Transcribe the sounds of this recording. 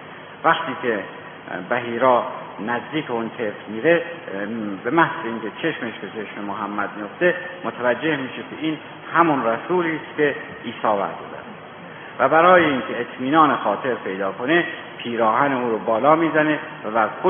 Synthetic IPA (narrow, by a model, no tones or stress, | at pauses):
væxt̪ʰiːkʰe | bæɦiːɾɒː | næzd̪iːkʰeunt̪ʰefɾmiːɾe | be̞mæhz̥eiːŋkʲʰet͡ʃʰe̞ʃmeʃbe̞t͡ʃʰeʃmemoɦæmːæd̪̚mijoft̪e̞mot̪ʰævæd͡ʒːe̞hmiːʃekʲʰeiːn | hæmunræsuːliːst̪ke̞ | iːsɒːvæ̰ɾd̪oːd̪æ̰n | væbæɾɒːjeiŋkʲʰe̞et̪ʰmiːnɒːnexɒːt̪ʰe̞ɾpʰe̞jd̪ɒːkʰo̞ne | pʰiːɾɒːɦæneuːɾobɒːlɒːmiːzæne̞væbæɾkʰo